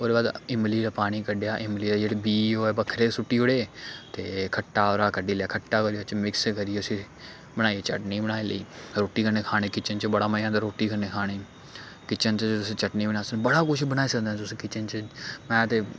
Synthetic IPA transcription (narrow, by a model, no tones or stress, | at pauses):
oːd̪eːbaːd̪ɪmliːɾaːpaːɽ̃iːkəɖejaːʔɪmliːɾaːd͡ʒeːɽeːbiːoːeːbəkʰɾeːsʊʈːiːʊɽeːt̪ḛːkʰəʈːaːoɾaːkəɖiːljaːkʰəʈːaːkəɾiːot͡ʃmɪkskəɾieːʊsĩː | bəɽ̃aːieːt͡ʃə̰ʈniːbəɽ̃aːeːləiːɾoːʈiːkəɾneːkʰaːɽ̃eːkɪt͡ʃənt͡ʃəbəɽaːməãːd̪aːɾoːʈiːkʰəɾneːkʰaːɽ̃eː | kɪt͡ʃənt͡ʃət̪ʊsĩːt͡ʃəʈniːbəɽ̃aːsəbəɽaːkʊʃʰbəɽaːiːsəkd̪ɛ̃t̪ʊsĩːkɪt͡ʃənt͡ʃəmɛ̃ːt̪eː